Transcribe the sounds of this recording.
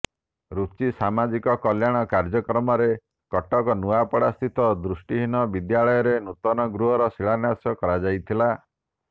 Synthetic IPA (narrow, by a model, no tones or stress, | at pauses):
ɾut͡ʃisamad͡ʒikɔkɔljaɽ̃ɔkaɾd͡ʒɔkɾɔmɔɾe | kɔʈɔkɔnuapɔɽast̪ʰit̪ɔd̪ɾusʈiɦinɔbid̪jaɭɔjɔɾenut̪ɔnɔɡɾuɦɔɾɔsiɭanasɔkɔɾad͡ʒajt̪ʰila